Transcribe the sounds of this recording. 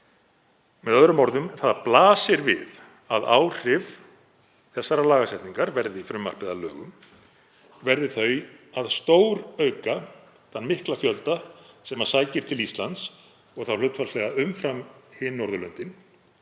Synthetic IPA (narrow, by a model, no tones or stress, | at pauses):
mɛðœðɾʏmɔɾðʏmθaðaplaːsɪɾvɪ̰ð | aða̰ːwr̥ɪv | θɛsːaɾalaːɣasɛht̪niŋkaɾvɛɾðɪifɾʏmːa̰r̥pɪðalœ̰ːɣʏm | vɛɾðɪθœɥaðst̪oːwɾœːɥka | ðanmɪhklafjœlt̪asɛmḁsaːjcɪɾ̥t̪ʰɪlist̪lant̪s | ɔɣθawlʏt̪falslɛɣaʏmfɾamhɪnːɔɾðʏlœnt̪ɪn